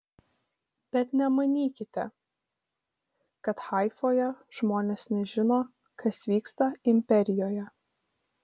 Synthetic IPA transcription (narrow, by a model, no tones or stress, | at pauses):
b̥ʲɛt̪nʲɛmɐnʲiːkʲɪt̪ʲɛ̰ | kɐt̪xɐˑɪfoːjɛʒ̥moːnʲeːsnʲɛʒʲɪnoː | kʰɐsʋʲiːkst̪ɐɪmʲpʲɛɾʲɪjoːjɛ